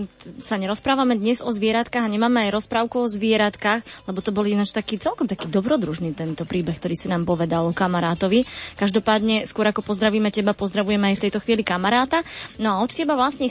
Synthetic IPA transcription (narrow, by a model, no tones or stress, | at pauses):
saɲɛɾɔspɾaːʋamɛd̪ɲɛzɔzʋɪɛɾat̪kaɣaɲɛmaːmɛajɾɔspɾaːʊkuɔzʋɪɛɾat̪kaːxlɛbɔt̪ɔbɔlinat͡ʃt̪akiːt͡sɛlkɔmt̪akiːd̪ɔbɾɔd̪ɾuʒniːt̪ɛnt̪ɔpɾiːbɛxkt̪ɔɾiːsinaːmpɔʋɛd̪alɔkamaɾaːt̪ɔʋikaʒd̪ɔpaːd̪ɲɛskʊɔɾakɔpɔzd̪ɾaʋiːmɛcɛbapɔzd̪ɾaʋujɛmɛajft̪ɛjt̪ɔxʋiːlikamaɾaːt̪anɔaɔt̪cɛbaʋlasɲɛ